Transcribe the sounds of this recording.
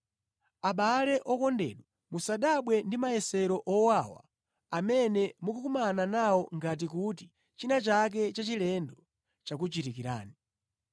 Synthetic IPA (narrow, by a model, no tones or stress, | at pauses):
aɓalɛʔɔkɔndɛ̰ɗwa | musaɗaɓwɛndimajɛsɛɾɔʔɔwawa̰ | amɛnɛmukukumananawɔŋɡat̬ikuti | t͡ʃinat͡ʃak̬ɛt͡ʃat͡ʃilɛndɔ | t͡ʃak̬ut͡ʃitikiɾa̰ːni